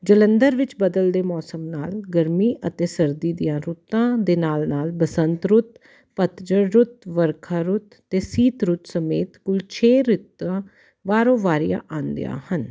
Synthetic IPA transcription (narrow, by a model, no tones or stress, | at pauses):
d͡ʒələnd̪əɾʋɪt͡ʃbəd̪əld̪eːmɔːsəmnaːlɡəɾmiːʔət̪eːsəɾd̪iːd̪ijãːɾut̪ãːd̪eːnaːlnaːlbəsənt̪ɾʊt̪ | pət̪d͡ʒəɾɾʊt̪ʋəɾkʰaːɾʊt̪ːeːsiːt̪ɾʊt̪səmeːt̪kʊlt͡ʃʰeːɾɪt̪ãː | ʋaːɾõːʋaːɾɪjã̰ːʔãːnd̪ɪ̰ja̰ːhən